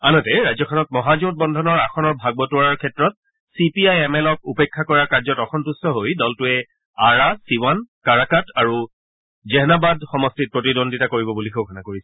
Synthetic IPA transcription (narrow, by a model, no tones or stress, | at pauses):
anɔtɛɹazɔkʰɔnɔt̚mɔɦazot̚bɔndʱɔnɔɹaxʰɔnɔɹbʱaɡ̚bɔtʊaɹaɹkʰɛtɹɔt̚ | sipiajɛmɛlɔk̚upekʰːakɔɹaɹkaɹzɔtɔxɔntustʰɔɦojdɔltʊɛ | aɹasiwankaɹakataɹu | zɛɦnabadxɔmɔstit̚pɹotidondʱitakoɹibɔbulikʰokʰɔnakoɹisɛ̥